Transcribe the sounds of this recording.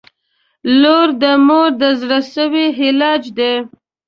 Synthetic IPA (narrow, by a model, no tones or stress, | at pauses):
loɾd̪əmoɾd̪əzɽasəwiɦɪlɑd͡ʒd̪e